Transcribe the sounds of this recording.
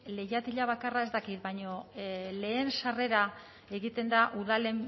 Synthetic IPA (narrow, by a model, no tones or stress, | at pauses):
le̞jat̪iʎaβ̞akarae̞zt̪akit̪̚bajɲo̞le̞ːnsare̞ɾa | e̞ɣit̪e̞nd̪aʔuðale̞m